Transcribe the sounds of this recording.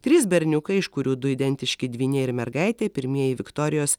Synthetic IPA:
t̪ʲɾʲɪsbʲɛɾʲnʲʊkɐɪɪʃkʊɾʲuːd̪ʊiːd̪ʲɛnʲt̪ʲɪʃʲkʲɪd̪ʲʋʲiːnʲɛɪɾmʲɛɾɡɐɪt̪ʲeːpʲɪɾʲmʲiɛjɪʋʲɪkt̪oːɾʲɪjoːs

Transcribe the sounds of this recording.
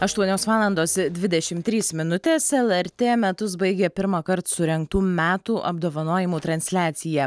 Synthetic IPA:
ɐʃt̪uɔnʲoːsʋɑːlˠɐnd̪oːsd̪ʲʋʲɪd̪ʲɛʃʲɪmt̪ʲɾʲiːsmʲɪnʊt̪ʲeːsɛlˠɛɾʲt̪ʲeːmʲɛt̪ʊs̬bɐɪɡʲepʲɪɾmɑːkɐɾt̪sʊɾʲɛŋk̚t̪uːmʲæːt̪uːʔɐ̰b̚d̪oːʋɐnoːjɪmuːt̪ɾɐnʲsʲlʲæːt̪sʲɪjɛ

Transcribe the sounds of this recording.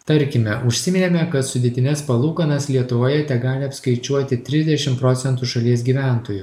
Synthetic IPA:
t̪ɐɾʲkʲɪmʲɛʔʊʃʲsʲɪmʲɪnʲemʲɛkɐt̪sʊd̪ʲeɛt̪ʲɪnʲɛspɐlˠuːkɐnɐslʲiɛt̪ʊʋoːjɛt̪ʲɛɡɑːlʲɪɐpskɐɪt͡ʃʲuɔt̪ʲɪt̪ʲɾʲɪzʲd̪ʲɛʃʲɪmpɾoːt̪sʲɛnt̪uːʃɐlʲiɛs̬ɡʲiːʋʲæˑnt̪oːju

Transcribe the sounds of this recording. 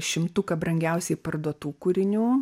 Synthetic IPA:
ʃʲɪmt̪ʊkɐbɾɐŋʲɡʲɛʊsʲɛɪpɐrd̪uɔt̪uːkuːɾʲɪnʲuː

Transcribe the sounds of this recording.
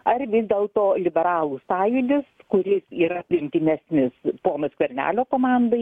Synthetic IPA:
ɐrʋʲɪzd̪ʲeːlˠt̪oːlʲɪbʲɛɾɑːlˠuːsɑːjud̪ʲɪskʊɾʲɪsiːɾɐpʲlʲɪŋʲt̪ʲɪnʲæsʲnʲɪspoːnɐskʲʋʲɛrʲnʲæ̰ːlʲoːkoːmɑːnd̪ɐɪ

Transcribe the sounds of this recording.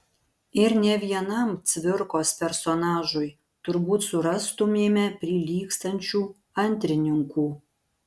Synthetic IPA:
ɪɾnʲɛʋʲiɛnɐmt͡sʲʋʲɪɾkospʲɛɾsonɑːʒuj | t̪ʊɾbuːt̪suɾɑst̪umʲemʲɛpʲɾʲiːlʲiːkst̪ɐnʲt͡ʃʲuː | ɐnʲt̪ʲɾʲɪnʲɪŋkuː

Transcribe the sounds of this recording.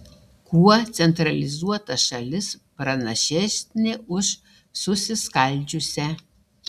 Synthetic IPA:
kuɔt̪sʲɛnt̪ɾɐlʲɪzuɔt̪ɐʃɐlʲɪs | pɾɐnɐʃʲɛsʲnʲɪʔʊʃ | sʊsʲɪskɐlʲd͡ʒʲʊsʲɛ

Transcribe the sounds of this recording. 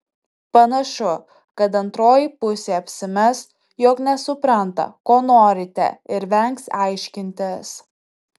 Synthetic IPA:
pɐnɐʃʊ | kɐt̪ɐnt̪ɾoːjipʊsʲeːɐpʲsʲɪmʲɛs | joːknʲɛsʊpɾɐnt̪ɐ̰koːnoːɾʲɪt̪ʲɛ̰ɪɾʋʲɛŋksɑˑɪʃʲkʲɪnʲt̪ʲɪs

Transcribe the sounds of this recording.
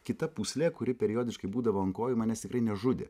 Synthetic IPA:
kʲɪt̪ɐpuːsʲlʲɛːkʊɾʲɪpʲɛɾʲɪjoːd̪ʲɪʃkɐɪbuːd̪ɐʋoːɐŋkoːjɪmɑnʲɛst̪ɪkɾɐɪnʲɛʒʊd̪ʲḛ

